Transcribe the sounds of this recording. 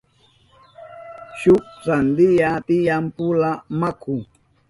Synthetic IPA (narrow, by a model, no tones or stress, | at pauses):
ʃʊkɾand̪ɪjat̪ɪjampʊlamakʊ